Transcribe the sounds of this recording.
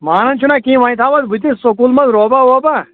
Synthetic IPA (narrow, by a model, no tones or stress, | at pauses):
maːnɐnt͡ʃʰunakĩːʋaːĩt̪ʰaːʋɐt̪but̪̬isokuːlmɐzɾoːbaoːba